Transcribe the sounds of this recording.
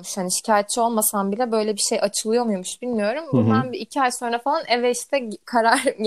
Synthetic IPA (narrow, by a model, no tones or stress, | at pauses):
muʃhaniʃi̥cʰaːjɛt̪̚t͡ʃʰːio̞lˠmasanbilʲɛbø̞jlʲɛbiʃe̞jʔat͡ʃʰɯlˠɯjo̞mujomuʃbilʲmijo̞ɾumbubænbiːcʰiajso̞nɾafalˠanʔevɛʃt̪ʰɛkʰaɾaɾ